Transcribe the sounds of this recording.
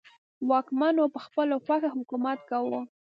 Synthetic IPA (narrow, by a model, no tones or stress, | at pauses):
wɑkmanopəxpəloxaxahʊkumat̪̚kawə